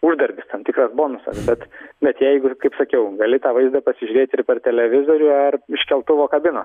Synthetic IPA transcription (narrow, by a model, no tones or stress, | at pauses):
ʊʒd̪ɐɾʲɡʲɪst̪ɐnt̪ʲɪkrɐsboːnʊsɐ̰sbʲɛt̪bʲɛt̪jɛɪɡʊkɐɪpsɐkʲɛʊɡɐlʲɪt̪ɑːʋɐɪzd̪ɐpɐsʲɪʒʲʊɾʲeːt̪ʲɪrpʲɛrt̪ʲɛlʲɛʋʲɪzoːɾʲʊɐrɪʃʲkʲɛlˠt̪ʊʋoːkɐbʲɪnoːs